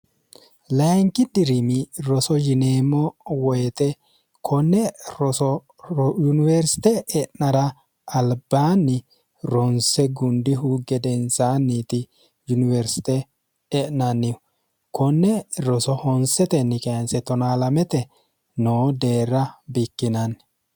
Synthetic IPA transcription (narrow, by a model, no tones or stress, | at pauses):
lɐŋkɪd̪ɪɾɪmɪɾɔsɔd͡ʒɪneːmɔwɔjɛt̪ɛ | kʰɔnːɛɔ | junɪweɾsɪ̥t̪ɛɛʔnɐɾɐ | ɐlbaːnːɪ | ɾɔnsɛɡʊnd̪ɪɦuɡɛd̪ɛnsaːnːiːt̪ɪ | jʊnɪwɛɾsɪ̥t̪ɛ | ɛʔnɐnːɪɔ | kɔnːɛɾɔsɔhɔnsɛt̪ɛnːɪkɛɐnsɛt̪ɔnaːlɐmɛt̪ɛ | noːd̪e̞ːɾɐbɪkːɪnɐn